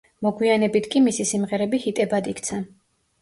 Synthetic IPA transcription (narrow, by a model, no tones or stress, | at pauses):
mɔɡwianɛbit̪ʰkʼimisisimʁɛɾɛbihit̪ʼɛbad̪ikʰt̪sʰa